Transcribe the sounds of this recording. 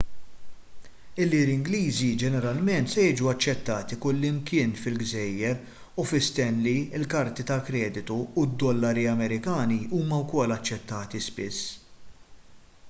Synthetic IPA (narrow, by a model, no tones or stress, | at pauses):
ɪlːilɪŋɡliːzid͡ʒɛnɛɾɐlmɛnt̪sɛjɪːd͡ʒuɐt͡ʃːɛt̪ːɐːt̪ikʊlːɪmkɪːnfɪlɡzɛjːɛɾ | ufɪst̪ɛnliɪlkɐɾt̪it̪ɐkɾɛːd̪ɪt̪uːd̪ːɔlːɐɾiɐmɛɾɪkɐːniʔuːmɐwkɔlːɐt͡ʃːɛt̪ːɐːt̪ispɪsː